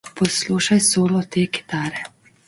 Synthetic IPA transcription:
pɔsluːʃajsoːlɔt̪eːɡi̥t̪aːɾɛ

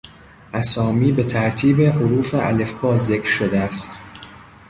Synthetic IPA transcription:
ʔæsɒːmiːbe̞t̪ʰæɾt̪ʰiːbehoɾuːfeʔæ̰le̞fbɒːzːe̞kɾʃo̞d̪eæst̪

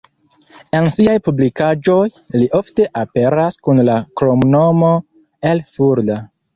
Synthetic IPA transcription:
e̞nsiajpublikad͡ʒo̞j | liʔo̞fte̞ʔape̞ɾaskunlakɾo̞mno̞mo̞ | e̞lfuɾda

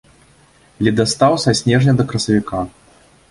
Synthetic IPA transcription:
lʲid̪ast̪awsɐsʲnʲɛʐnʲɐd̪ɐkɾɐsɐvʲika

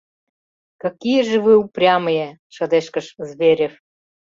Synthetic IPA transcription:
kɑkʲijeʒĕβɨuprʲɑməjĕʃɤ̆d̪eʃkə̆ʃzβʲeɾʲef

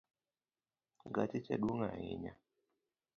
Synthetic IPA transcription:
ɡatit͡ʃaɗuŋaḭɲa

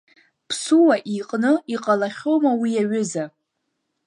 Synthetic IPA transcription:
pʰsuwaʔiqʼnɨiqʼalaχʲowmawiaɥʏza

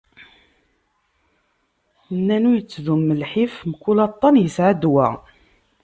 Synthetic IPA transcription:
nːænujət͡sːðumːəlħifmkːulɑt̪ˤːɑnjəsʕad̪wæ̰

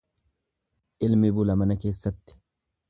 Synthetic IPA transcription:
ʔɪlmɪbʊlɐmɐnɐke̞ːsːɐt̪ːɪ̥

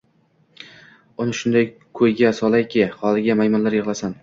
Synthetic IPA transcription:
ʊnɪʃʊnd̪aj | kʰɵjɡʲasɒlajkʲʰɪhɒlˠɪɡʲamajmɒnlaɾjɪʁlˠasan

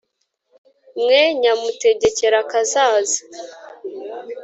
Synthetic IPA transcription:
mŋeɲamute̞ɟe̞ce̞ɾakazaːza

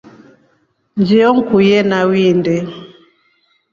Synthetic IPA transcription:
ɲd͡ʒiɔŋ̩kujɛnawindɛ

